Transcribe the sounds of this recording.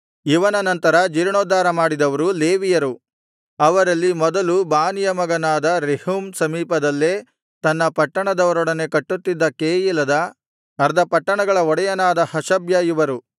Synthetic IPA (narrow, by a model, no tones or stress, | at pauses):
iʋɐnɐnɐnt̪ɐɾɐd͡ʒiɾɳoːd̪aːɾɐmaːɽid̪ɐʋɐɾule̞ːʋijɐɾu | ɐʋɐɾɐlːimɔd̪ɐlubaːnijɐmɐɡɐnaːd̪ɐɾehumsɐmiːpɐd̪ɐlːeː | t̪ɐnːɐpɐʈːɐɳɐd̪ɐʋɐɾɔɽɐne̞kɐʈːut̪ːid̪ːɐkeːjilɐd̪ɐ | nɐɾd̪ʱɐpɐʈːɐɳɐɡɐɭɐɔɽɐjɐnaːd̪ɐhɐʃɐbjaːjuʋɐɾu